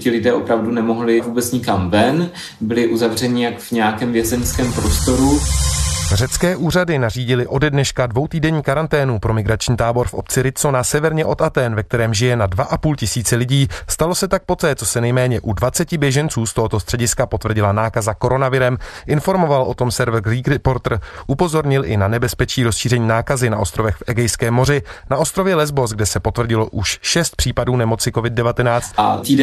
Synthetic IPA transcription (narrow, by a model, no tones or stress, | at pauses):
cɪlɪdɛːʔo̞pɾavdunɛmoɦlɪvuːbɛt͡sɲɪkamvɛn | bɪlɪʔuzavr̝ɛɲɪjakvɲɛjakɛːmvjɛzɛnskɛːmpɾost̪oɾu | rɛt͡skɛːʔuːr̝adɪnariːɟɪlɪʔo̞dɛdnɛʃkadvo̞wt̪iːdɛɲiːkaɾant̪ɛːnupɾo̞mɪɡɾat͡ʃɲiːt̪aːbo̞ɾfʔo̞̰p̚t͡sɪɾɪt̪so̞nasɛvɛɾɲɛʔo̞t̪at̪ɛːnvɛk̚t̪ɛɾɛːmʒɪjɛnadvaʔapuːlcɪsiːt͡sɛlɪɟiːst̪alo̞sɛt̪ak̚po̞t̪ɛːt͡sosɛnɛjmɛːɲɛʔudvat͡sɛcɪbjɛʒɛnt͡suːst̪oɦot̪o̞st̪r̥ɛɟɪskapo̞t̪vrɟɪlanaːkazako̞ɾo̞navɪɾɛmʔɪnfo̞ɾmo̞valʔo̞t̪o̞msɛɾvr̩ɡɾiːɡɾɛpo̞ɾt̪r̩ʔupo̞zo̞ɾɲɪlʔɪ̰nanɛbɛspɛt͡ʃiːɾo̞sʃiːrɛɲiːnaːkazɪnaʔo̞st̪ɾo̞vɛxfʔɛɡɛjskɛːmːo̞r̝ɪnaʔo̞st̪ɾovjɛlɛzbo̞s̬ɡ̚dɛsɛpo̞t̪vr̩ɟɪlo̞ʔuʃʃɛst̪̚pr̝̥iːpaduːnɛmo̞t͡sɪko̞vɪd̚dɛvat̪ɛnaːt͡st̪̚at̪iːd